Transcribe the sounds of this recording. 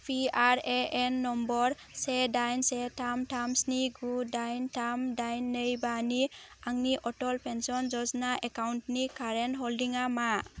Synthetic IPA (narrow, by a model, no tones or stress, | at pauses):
pʰiaɾeenːɔmbɔɾ | sedajnsetʰamtamsniɡudajntʰamdajnːəjbaniaŋniʔɔʈɔlpʰensɔnd͡ʒɔznaʔɛkawntnikaɾɛnɦɔldiŋama